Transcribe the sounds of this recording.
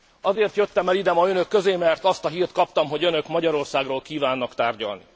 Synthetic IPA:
ɒzeːrt̪jøt̪ːɛmɛlid̪ɛmɒønø̞kːø̞zeːmɛrt̪ɒst̪ɒɦiːrt̪kɒpt̪ɒmɦo̞ɟønøkmɒɟɒɾo̞rsaːɡroːlkiːvaːnːɒkt̪aːrɟɒ̰lnḭ

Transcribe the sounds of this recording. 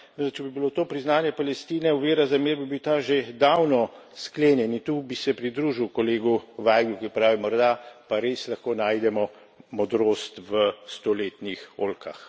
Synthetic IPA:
ət͡ʃɛbibilot̪oːpɾiznaːnjɛpalɛst̪iːnɛuʋeːɾazameːɾbibiwt̪aʒed̪awnɔskleːnjɛnit̪ubisɛpɾid̪ɾuʒiwkɔleːɡuʋaːjɡukipɾaːʋimɔɾd̪apaɾeslaxkoːnaːjd̪ɛmɔ | mɔd̪ɾoːst̪ʋəst̪oleːt̪nixoːlkʰa̰x

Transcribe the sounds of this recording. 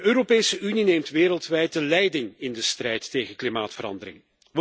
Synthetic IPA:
øːɾopeːjsəʔynineːmtʋeːɾəlˠtʋɛjtəlɛjdɪŋɪndəstrɛjtːejɣənklimaːtfəɾɑ̰ndəɾɪ̰ŋ | ʋ

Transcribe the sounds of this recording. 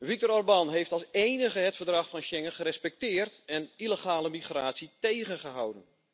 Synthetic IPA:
ʋik̚tɔɾɔrbɑnɦejftɑlˠsejnəχəɦətfərdrɑχfɑnʃɛŋəχəɾɛspɛk̚tɪːrtɛniləχaːləmiχra̰ːtsitejχənχəɦawdən

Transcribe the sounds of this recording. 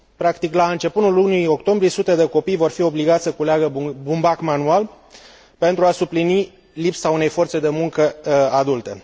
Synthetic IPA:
pɾakt̪iklaɨnt͡ʃe̞punulunijo̞kt̪o̞mbɾie̞sut̪e̞d̪e̞ko̞pijvo̞rfio̞bliɡat̪sʲsəkuleaɡəbumbakmanual | pe̞nt̪ɾuasuplini | lipsaune̞jfo̞rt̪se̞d̪e̞muŋkəad̪ult̪e̞

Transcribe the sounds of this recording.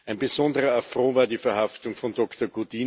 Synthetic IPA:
æɪnbezɔndəʁɐafʁoːvaːɐdiːfɛɐhaftʊŋfɔndɔktɐɡud̥iː

